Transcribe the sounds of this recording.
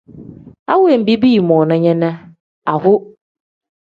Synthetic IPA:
a˦wʊ˦e˨m̩˨bi˦bi˦i˨mɔ̃˨nã˦ɲɛ̃˦nã˦ | a˨hʊ˦

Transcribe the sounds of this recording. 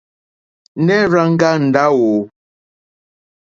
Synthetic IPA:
nɛ˦ɾa˦ŋ̩˦ɡa˦n̩˨da˦wo˨

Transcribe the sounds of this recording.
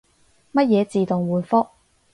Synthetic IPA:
mɐ˥t̚jɛː˨˧t͡siː˨t̪ʊ˨ŋwuː˨˩nfʊ˥k̚

